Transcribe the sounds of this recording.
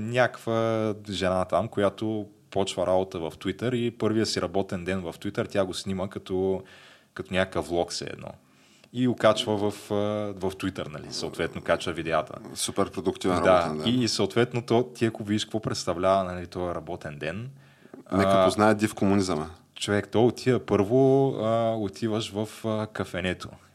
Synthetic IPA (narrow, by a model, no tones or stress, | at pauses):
nʲakvəʒɛnat̪amkojat̪o | pɔt͡ʃvəɾʔabot̪əvɐft̪wit̪əɾipɤɾvijəsiɾʔɐbɔt̪ɛnd̪ɛnvəft̪it̪əɾt̪ʲjaɡosniməkɐt̪ɔ | kɐt̪onʲakəkəflˠɔksɛ̰ɛ̰d̪nɔ̰ | iokat͡ʃvəvəfəvɐft̪uit̪əɾnɐlḭsɐʊt̪vɛt̪noʊkat͡ʃvəvid̪ɛat̪ə̰supɛɾpɾod̪ʊkt̪ivɛnɾd̪adiːsəʊt̪vɛt̪not̪ɔt̪iɐkʊvid̪iʃkvɔpɾɛt̪st̪ɐvlʲavɐnɐlit̪ɔjəɾɐbɔt̪ɛnd̪ɛn | nɛəoznaɛd̪ifkomʊnizəmə | t͡ʃovɛkt̪ɔjot̪ʰiəpɤɾvoəot̪ʰivəʃvɐfəkɐfɛnɛt̪ʰo̰